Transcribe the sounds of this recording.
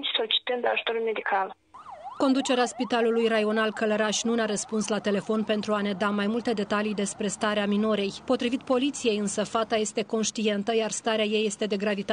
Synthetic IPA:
t͡ʃsolit͡ʃi̥t̪ɨnd̪aʒut̪oɾulme̞d̪ikal | ko̞nd̪ut͡ʃe̞ɾeaspit̪alulujraio̞nalkələɾaʃʲnuneaɾəspunslat̪e̞le̞fo̞npe̞nt̪ɾuane̞d̪amajmult̪e̞d̪e̞t̪alijd̪e̞spɾe̞st̪aɾeamino̞ɾe̞jpo̞t̪ɾivit̪̚po̞lit̪sije̞jɨnsəfat̪aje̞st̪e̞ko̞nʃt̪ie̞nt̪əjarst̪aɾeaje̞jːe̞st̪e̞d̪e̞ɡɾavit̪a

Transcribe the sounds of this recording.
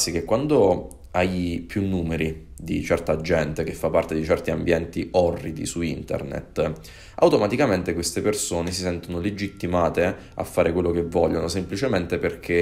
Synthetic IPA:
sːik̟ekːwand̪o | ajpjunːuːmeɾid̪it͡ʃɛrt̪ad͡ʒɛnt̪ek̟efːapːart̪ed̪it͡ʃɛrt̪iambjɛnt̪iɔrːid̪ḭsuint̪ḛrnḛt̪ː | a̰wt̪omat̪ikament̪ekwest̪epersoːnesisɛnt̪onoled͡ʒit̪ːimaːt̪e | a̰fːaːɾʔekwelːokevːɔʎːonosemplit͡ʃement̪eperk̟ʰe

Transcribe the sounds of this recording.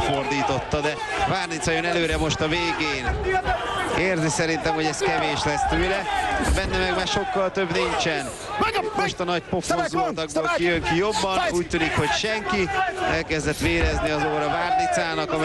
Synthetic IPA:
fo̞rd̪iːt̪o̞t̪ːɒd̪ɛ | vaːrnit̪sɒjønɛløːɾɛmo̞ʃt̪ɒveːɡeːn | eːrzisɛɾin̪t̪ɛmho̞ɟɛskɛveːʃlɛst̪øːlɛbɛnːɛmɛɡmaːrʃo̞kːɒlt̪ø̞bniɲt͡ʃɛn | mo̞ʃt̪ɒnɒcpo̞fozult̪ɒɡ̚boːlkijøŋkijo̞bːɒnuːc̚t̪ːyːnikho̞cʃɛŋkiɛlkɛzd̪ɛt̪ʋeːɾɛzniɒzoːɾɒvaːrnit̪saːnɒkɒm

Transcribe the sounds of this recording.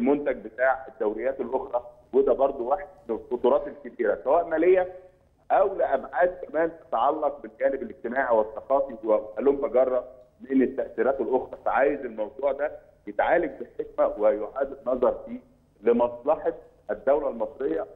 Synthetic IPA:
elmont̪æɡ̚bet̪aːʕed̪ːæwlejːæːt̪elʔoxɾˤɑ | wed̪æbɑɾˤd̪ˤowaħed̪̚menelxot̪ˤuɾˤɑːt̪elkebiːɾæsæwæːʔmæːlejːæ | ʔæwleʔæbʕaːd̪̚kæmæːnt̪æ̥t̪ʕɑlːɑq̚belɡæːnebeleɡ̚t̪emaːʕiweθːɑqɑːfiwæælomːæɡɑrˤːɑ | menet̪ːæʔsiːɾæːt̪elʔoxɾˤɑfæʕaːjezelmɑwd̪ˤuːʕd̪æ | jet̪ʕaːlek̚beħek̚mæwejoʕaːd̪enːɑzˤɑɾˤfiː | lemɑsˤlɑħɑt̪ | ʔæd̪ːæwlælmɑsˤɾejːɑ

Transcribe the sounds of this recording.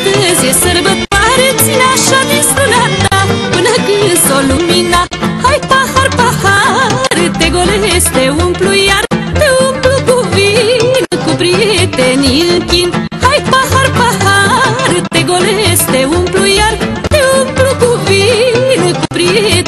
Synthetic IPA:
t̪əzjesəɾbət̪waɾet͡sinaʃad̪ist̪ɾunat̪apɨnəkɨnsolumina | hajpahaɾpahaɾɨt̪eɡolest̪eumplujart̪euplukuvinɨkupɾit̪eniɨŋkin | hajpahaɾpahaɾɨt̪eɡoleest̪eumplujaɾ | t̪eumplukuvinɨkupɾi

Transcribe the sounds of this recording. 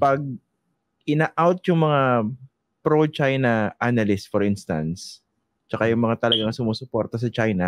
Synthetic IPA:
pɐɡ̚ | ʔɪnaʔawt̪̚jʊŋmɐŋa | pɾot͡ʃajnɐʔanɐlɪsfɔɾɪnst̪ɐ̰ns | t͡ʃɐkajʊŋmɐŋat̪ɐlɐɡaŋsʊmoːsʊpɔɾt̪ɐs̬ɐt͡ʃajnɐ

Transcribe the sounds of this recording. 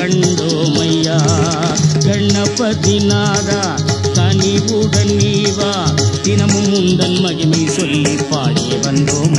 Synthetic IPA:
ɐɳɖoːmɐjːaː | ɡʱɐɳːɐpɐd̪inaːɾa | kɐnibuɡʱɐɳːiːʋaːd̪inɐmumund̪ɐnmɐɣimɐjsɔlːipːaːkijeʋɐnd̪oːm

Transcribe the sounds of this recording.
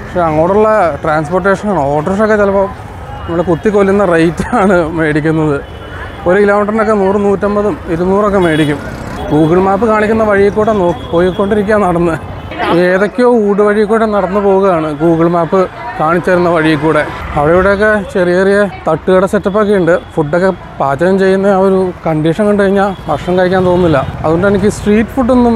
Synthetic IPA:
pɐkʂeɐŋːo̞ːɽuɭːɐʈraːnsporʈːe̞ːʂɐnaːɳɨo̞ːʈrɐʂokːet͡ɕelɐpoːm | nɐmːɐɽekut̪ːikolːunːɐrejtːaːɳɨme̞ːɽikʲːunːɐðɨ | oɾuilaːmɐʈːrɐnokːe̞nuːrɨnuːtːɐmbɐðumiɾunuːrok̬ːe̞me̞ːɽikʲːum | ɡuːɡɐɭmaːpːɨkaːɳikʲːunːɐʋɐɻijikːuːɽeno̞ːkːi̥pːo̞ːjikːo̞ɳɖiɾik̬ʲːaːnɐɽɐnːɨ | eːðo̞kʲːo̞ːuːɽɨʋɐɻijkːoːɖenɐɽɐnːɨpo̞ːɣuɣɐjaːɳɨɡuːɡɐɭmaːpːɨ | kaːɳit͡ɕːuʋɐɾunːɐʋɐɻijik̬ːuːɽe̞ɐʋiɽeiʋiɽe̞jokːe̞t͡ɕe̞rijerijɐt̪ɐʈːuɣɐɽesetːɐpːok̬ːejuɳɖɨfuɖːokːe̞ | paːt͡ɕːɐjɐmt͡ɕe̞jːunːɐoɾukɐɳɖiːʂɐnkoɳɖɨkɐɻiɲːaːlpɐrʂɐŋkaːjikʲːaːnt̪o̞ːnːilːɐɐ̰ðuɣoɳɖenikʲːɨsʈriːʈːɨ̥fuɖːonːum

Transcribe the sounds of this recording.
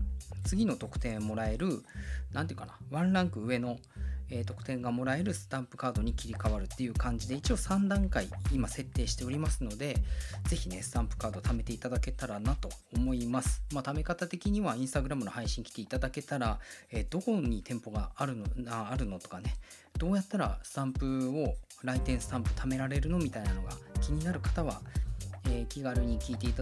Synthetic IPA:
t͡sɨɡʲino̞t̪o̞kɯ̟̥t̪ẽ̞ɰ̃mo̞ɾae̞ɾɯ̟nãnt̪eiɯ̟kanaβãnɾãŋkɯ̟ɯ̟βe̞no̞ | eːt̪o̞kɯ̟̥t̪ẽ̞ŋɡamo̞ɾae̞ɾɯ̟sɨ̥t̪ãmpɯ̟kaːd̪o̞ɲ̟ikʲiɾʲikaβaɾɯ̟t̪ːe̞jɯ̟ːkãɲ̟d͡ʑid̪e̞it͡ɕio̞sãnd̪ãŋkaiimase̞t̪ːe̞ːɕi̥t̪e̞o̞ɾʲimasɨno̞d̪e̞ze̞çine̞sɨ̥t̪ãmpɯ̥kaːd̪o̞t̪ame̞t̪e̞it̪ad̪ake̞t̪aɾanat̪o̞ːmo̞imasɨ̥mat̪ame̞kat̪at̪e̞kʲiɲ̟iβaĩɰ̃st̪aɡɯɾamɯ̟no̞haiɕĩŋkʲi̥t̪e̞it̪ad̪ake̞t̪aɾaeːd̪̥o̞ko̞ɲ̟it̪ʰẽ̞mpo̞ɡaːɾɯ̟aːɾɯ̟no̞t̪o̞̥kane̞ | d̪̥o̞ːjat̪ːaɾa̰sãmpɯ̟o̞ | ɾait̪ẽ̞ɰ̃sɨ̥sãmpɯ̟̥t̪ʰame̞ɾaɾe̞ɾɯ̟no̞mʲit̪ainano̞ɡa̰kʲiɲ̟inaɾɯ̟kḁt̪aβa | eːkʲiɡaɾɯ̟ɲ̟ikʲiːt̪e̞it̪

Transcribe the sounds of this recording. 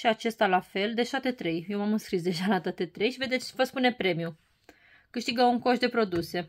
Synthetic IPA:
ʃiat͡ʃe̞st̪alafe̞ld̪e̞ʒat̪e̞t̪ɾe̞jjewmamɨnskɾisd̪e̞ʒalat̪at̪e̞t̪ɾe̞jʃived̪et͡ʃvəspune̞pɾe̞mju | kɨʃt̪iɡəuŋko̞ʃd̪e̞pɾo̞d̪use̞

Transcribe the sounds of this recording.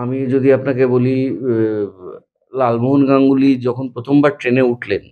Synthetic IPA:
amid͡ʑod̪iapnakeboli | lalboɦonɡaŋɡulid͡ʑɔkʰonpɾot̪ʰombaɾʈɾeneuʈʰlen

